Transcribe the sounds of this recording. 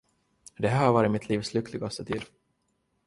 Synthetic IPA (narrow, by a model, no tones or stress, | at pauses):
d̪ɛɦæːɾhaɾvɑːɾɪt̪mɪt̪ʰliːvslʏklɪɡast̪ət̪ʰiːd̪